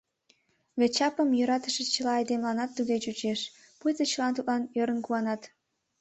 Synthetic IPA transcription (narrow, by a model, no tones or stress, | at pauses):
βʲet͡ɕɑpəmjøɾɑt̪əʃet͡ɕə̆lɑːjd̪emlɑnɑt̪ːud̪et͡ɕut͡ɕeʃ | pujt̪ət͡ɕə̆lɑnt̪ut̪̚lɑnjøɾənkuɑnɑt̪